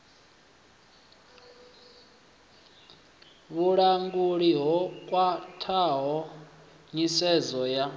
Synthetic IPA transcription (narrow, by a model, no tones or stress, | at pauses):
βuɺaŋɡuɺiɦɔkʼwatʰaɦɔ | ɲisɛzɔja